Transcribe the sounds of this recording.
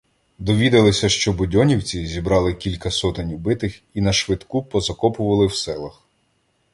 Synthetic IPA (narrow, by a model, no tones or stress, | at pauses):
d̪ɔʋʲid̪ɐlˠɪsʲɐʃt͡ʃɔbʊdʲɔnʲiwt͡sʲizʲibɾɑlˠɪkʲilʲkɐsɔt̪ɪnʲʊbɪt̪ɪxinɐʃʋɪd̪kupɔzɐkɔpʊʋɐlˠɪwsɛlˠɐx